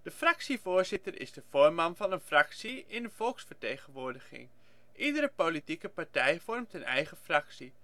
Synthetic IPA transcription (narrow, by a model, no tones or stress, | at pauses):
d̥əfrɑksivoːɹzɪtərɪ̰zdəv̥oːɹmɑnvɑnənfrɑksiɪndəvɔlˠksfəɹtejχənʋʊːɹdəχɪ̰ŋ | ʔidəɾəpolitikəpaɹtɛjvɔrmtənɛjχəfrɑksi